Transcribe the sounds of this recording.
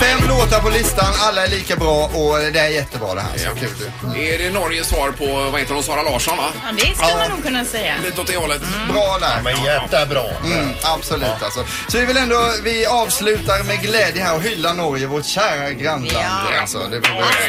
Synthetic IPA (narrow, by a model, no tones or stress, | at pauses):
fɛmːloːt̪əɾpɔlɪst̪analːaɛɭiːkabɾɑːʔɔd̪ɛæɾjɛt̪ːəbɾɑ̰ːd̪ɛ̰ɦæ̰ːskʰʉ̟ːld̪ɵ | ɛɖɛnɔɾjəsvɑːɾpʰɔvahɛt̪ːəd̪ɔmsɑːɾalɑːʂɔnvad̪ɛsɵlːəmannuːɡ̚kʰɵnːasɛjaliːt̪ːɔt̪̚d̪ɛhɔlːət̪bɾɑːd̪ɛæːɾɛt̪ːɛbɾɑ̰ːm̩ːabsɔlʉːt̪ːalsɔ | sɔvɪvɪlɛnd̪ɔvɪɑːvslʉ̟ːt̪aɾmɛɡlɛːd̪jəɦæːɾɔɦʏlːanɔɾjəvɔʈɕæːɾaɡɾand̪aa̰lsɔ̰d̪ɛbɛ